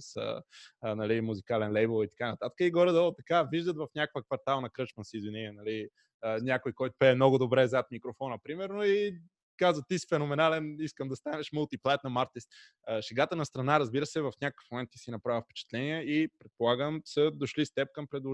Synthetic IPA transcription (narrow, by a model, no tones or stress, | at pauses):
sə̰nɐlimuzikalɛnlɛjbəlˠit̪ɐ̥kanɐt̪at̪ə̥kəiɡɔɾɛd̪ət̪ɐkaviʒd̪ət̪vɐfnʲakkvəkvɐɾt̪alˠnɐkɾɤt͡ʃmənsiːzvinɛt̪ɛnɐli | ənʲjakojkɔjt̪ʊ̥pɛːmnoɡʊd̪obɾɛzat̪̚mikɾofɔnəpɾimɛɾnoi | kazvət̪isi̥fɛnomɛnalɛniskəmd̪ɐst̪anɛʃməlˠt̪iplˠajt̪nɐmaɾt̪ist̪ | əʃɛɡat̪ənɐst̪ɾɐnaɾɐzbiɾəsɛvɐfnʲakəkə̥fmomɛnt̪ːisinɐpɾavʲifpɛ̥t͡ʃɛ̥t̪lɛniɛipɾɛt̪polˠaɡəmsəd̪oʃlist̪ɛp̚kɐmpɾɛd̪lˠo